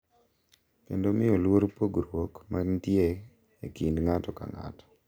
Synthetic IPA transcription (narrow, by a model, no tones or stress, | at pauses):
kḛndomɪolwoɾpoɡɾwokmantje | ekindŋatɔka̰ŋa̰tɔ̥